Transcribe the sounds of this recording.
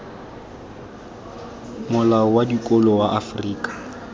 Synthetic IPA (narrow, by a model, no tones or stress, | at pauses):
mʊlaɔwadikʼɔlɔwaʔafriːkʼḁ